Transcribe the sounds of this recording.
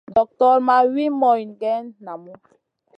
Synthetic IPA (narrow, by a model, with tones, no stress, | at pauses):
dɔ˨k̚tɔ˦ɾma˦wi˦mɔ˨i˨nɡɛ˦nːa˨mu˦